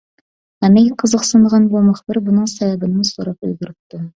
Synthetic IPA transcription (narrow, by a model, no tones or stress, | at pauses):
æmejʲqʰəzəqsɨnʁɑnbomɨχbɪɾbʊnɨɴsæβæbɪnɪsoɾɑpɵ̰lɡʲɪɾɪp̚t̪ɪ